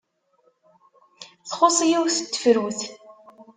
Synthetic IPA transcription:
θχʊsˤijiwθət̪ːə̥fɾuθ

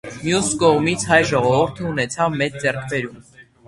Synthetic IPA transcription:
mjuskɔʁmit͡sʰhɑjʒɔʁɔvuɾt̪ʰəunɛt͡sʰɑvmɛt͡sd͡zɛrkʰbɛɾum

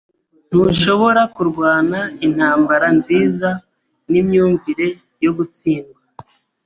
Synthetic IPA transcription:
n̥uʃo̞βo̞ɾakuɾɡwaːnain̥haːmbaɾanziːza | nimɲuːɱviɾe̞ | jo̞ɡut͡siːnɡwa

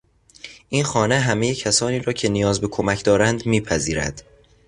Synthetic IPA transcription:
ʔiːnxɒːne̞ɦæme̞jecʰæsɒːniːɾɒːcʰe̞nijɒːzbe̞kʰomæcʰd̪ɒːɾænd̪miːpʰæziːɾæ̰d̪̥

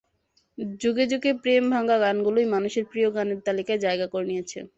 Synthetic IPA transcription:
d͡ʑuɡed͡ʑuɡepɾembʱaŋɡaɡanɡulojmanuʃeɾpɾioɡaneɾt̪alikaed͡ʑaeɡakoɾnijet͡ɕʰḛ

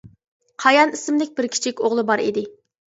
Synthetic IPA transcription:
qʰɑjɑnisɪmd̪ɪk̚ʲbɪɾkʲʰi̥t͡ʃʰikʲoʁlˠɨbɑɾḭd̪ɪ

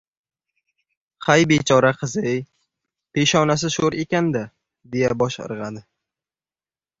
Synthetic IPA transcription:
hajbet͡ʃʰɒɾaqʰɨzɪj | pʰeʃɒnas̬ɪʃoɾe̞kʲand̪a | d̪e̞jabɒʃɨ̰ɾʁɑd̪ɪ

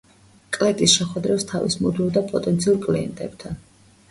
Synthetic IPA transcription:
kʼlɛt̪ʼisʃɛχwɛd̪ɾɛpst̪ʰavḭsmud̪nid̪apʼɔt̪ʼɛnt̪sʰiuɾkʼliɛ̰nt̪ʼɛbt̪ʰan

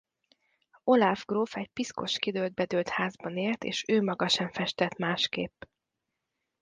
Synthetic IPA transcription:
o̞lavɡroːfɛc̚pisko̞ʃkid̪øːld̪̚bɛd̪øːlt̪haːzbɒneːrt̪ḛːʃøːmɒɡɒʃɛɱfɛʃt̪ɛt̪maːʃkeːpː

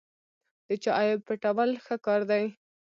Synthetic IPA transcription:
d̪̥ət͡ʃɑʔjɪpəʈawalxəkɑɾd̪aj

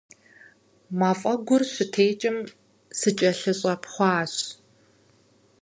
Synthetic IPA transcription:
maːfʼɐɡʷʊrɕɪtʰeːt͡ʃʼɪm | sɨt͡ʃʼɐɬɨɕʼɐpʰχʷɑːɕ

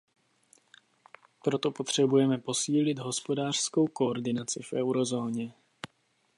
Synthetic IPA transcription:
pɾo̞t̪o̞po̞t̪r̝̥ɛbujɛmɛpo̞siːlɪd̪ɦo̞spo̞daːr̥sko̞wko̞oɾdɪnat͡sɪfʔɛwɾo̞zo̞ːɲɛ

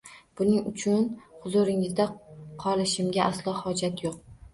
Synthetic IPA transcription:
b̥ʊnɪŋʊt͡ʃʰʊnhʊzʊɾɪŋɪzd̪aqʰɒlˠɪʃɪmɡʲaʔaslˠɒhɒd͡ʒat̪ʰjoq̚

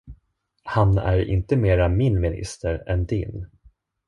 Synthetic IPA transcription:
hanæ̰ɾɪ̰nt̪əmeːɾamɪnmɪnɪ̰st̪əɾɛnd̪ɪ̰n

